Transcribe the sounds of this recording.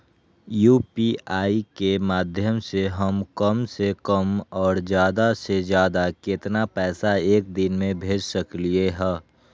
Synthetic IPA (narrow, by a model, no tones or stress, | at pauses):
juːpiaːikemaːd̪ʱjəmseɦəmkəmsekəmɔːɾd͡ʒjaːd̪ased͡ʒjaːd̪akɪt̪napɛːsaeːk̚d̪ɪnmẽbʱeːd͡ʒsəklieɦɛː